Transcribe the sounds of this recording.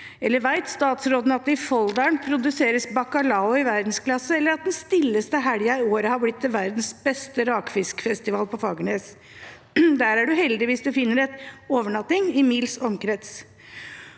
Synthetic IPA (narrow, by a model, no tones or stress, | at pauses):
ɛlːəɾʋæɪt̪st̪ɑːt̪sɾoːd̪nəɑt̪̚d̪ɛɪfɔld̪ɑɳpʰɾʊd̪ʉseːɾəsbɑkɑlɑʊɪʋæɾd̪n̩sklɑsːəɛlːəɾɑt̪̚d̪ɛnst̪ɪlːəst̪əɦæɽjɑɪoːɾəhɑɾblɪt̪̚ːd̪ɛʋæɾd̪n̩sbɛst̪əɾɑːkfɪskfɛst̪ɪʋɑːlpɔfɑːɡəɳeːs | d̪æːɾæɖʉɦɛld̪ɪʋiːsd̪ʉfɪnːəɾɛt̪oːʋəɳɑt̪nɪŋɪmiːlsɔmkɾɛt̪s